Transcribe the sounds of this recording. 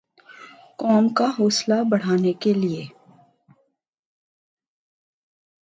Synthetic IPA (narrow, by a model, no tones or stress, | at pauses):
kɔːmkaɦɔːslabɐɽ̤aːnekelie